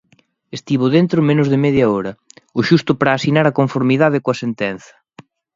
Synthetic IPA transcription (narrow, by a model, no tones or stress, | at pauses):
est̪iβʊðent̪ɾʊmenʊzðɪmɛðjɐɔɾɐʊʃust̪ʊpɾaːsinaɾɐkoɱfoɾmiðað̞ɪkoɐsent̪ɛn̟θɐ̥